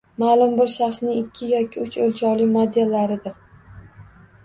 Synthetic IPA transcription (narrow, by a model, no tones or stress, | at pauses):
maːlˠʊmbɪɾʃaχsnɪŋɪkʲʰːɪjɒkʲʰɪʊt͡ʃɵlt͡ʃʰɒlɪmod̪elːaɾɪd̪ɪɾ